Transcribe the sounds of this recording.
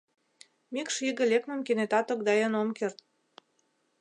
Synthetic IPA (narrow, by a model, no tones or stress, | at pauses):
mikʃiɣə̆lʲeknə̆mkenet̪ɑt̪ŏk̚d̪ɑjənomkert̪̚